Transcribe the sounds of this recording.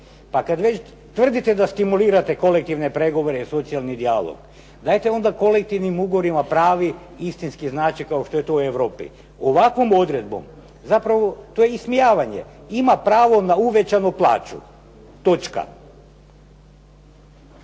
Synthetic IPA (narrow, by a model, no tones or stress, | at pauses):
pakad̪ʋet͡ɕ | t̪ʋr̩d̪it̪ed̪ast̪imuliːɾat̪e̞ko̞lek̚t̪iʋnepɾe̞ɡo̞ʋo̞ɾeiso̞t̪sialˠnid̪ialˠo̰ɡ̥ | d̪aːjt̪eo̞nd̪ako̞le̞k̚t̪iʋnimuːɡoʋoɾimapɾaːʋi | ist̪inskiznaːt͡ʃikaoʃt̪o̞je̞t̪oueʋɾo̞ːpḭ | oʋakʋo̞mo̞d̪ɾe̞d̪̚bo̰m | zapɾaʋo̞t̪ojeismijaːʋaɲe̞̰imapɾaːʋo̞nauʋe̞t͡ʃanuplˠa̰ːt͡ʃṵ | t̪o̞t͡ʃka̰